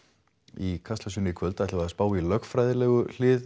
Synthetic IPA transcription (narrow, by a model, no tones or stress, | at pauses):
ikʰast̪lasʏnɪikʰvœlt̪aɛht̪avaðspaːwilœkfɾaːjðɪlɛɣʏl̥ɪːð